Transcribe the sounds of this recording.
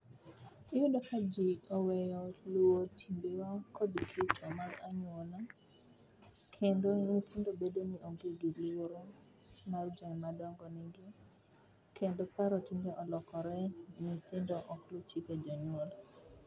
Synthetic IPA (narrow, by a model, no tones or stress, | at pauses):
ijudokad͡ʒiɔwɛjɔlwotʰimbewakɔdikʰitʰɔmaɾaɲwɔla | kʰendoŋit̪ʰɪndobedoniʔoɡɪɡilwoɾo | mard͡ʒɔɲmadɔŋɡɔniɡɪ | kʰendopaɾɔtiŋɡeʔɔlɔkɔɾɛŋit̪endoʔɔklut͡ʃiked͡ʒɔɲʊola